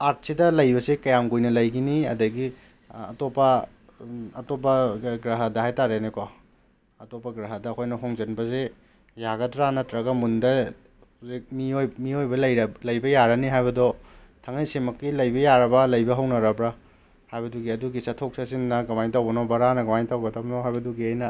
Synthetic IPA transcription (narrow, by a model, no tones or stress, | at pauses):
aɾt̚sidɐlɐjbɐsekɐjamɡojnɐlɐjɡiniɐdɐɡi | ɐ̰topɐ | ɐtop̬ɐɡɾaɦadɐɦajtaɾeneko | ɐtopɐɡɾaɦɐdɐːkʰojnɐɦoŋzenbɐze | jaɡɐtɾanɐtɾɐɡɐmundɐ | uzik̚miojmiojbɐlɐjlɐjbɐjaɾɐniɦajbɐdɔ | tʰɐŋajsemɐkːilɐjbɐjaɾɐbɐlɐjbɐɦɐwnɐɾɐbɾa | hajbɐduɡiɐduɡisɐtʰok̚sasinːɐɡamajtawbɐnobɐɾanɐɡamajntawɡɐtɐp̚noɦajbɐduɡiajnɐ